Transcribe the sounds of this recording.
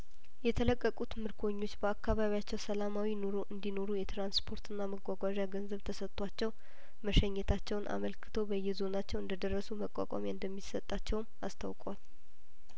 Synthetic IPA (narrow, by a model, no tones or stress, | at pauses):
jɛt̪ʰələkʼːəkʼut̪mɨɾkʰo̞ɲːo̞t͡ʃːbəakːaβaβijat͡ʃːɛwsəlamawino̞ɾo̞ʔɨnd̪ino̞ɾujɛt̪ɾanspʰo̞ɾt̪ʰɨnːaməɡʷaɡʷaʒaɡənzəβt̪ʰəsət̪ʼːwat͡ʃːɛw | məʃəɲːɛt̪ʰat͡ʃːɛwnʔa̰məlkʰɨ̥t̪ʰo̞bəjːɛzo̞nat͡ʃːɛwɨnd̪əd̪ərːəsuməkʼa̰kʼa̰mjeɨnd̪əmːisət̪ʼːat͡ʃːɛwmast̪ʰa̰wkʼwal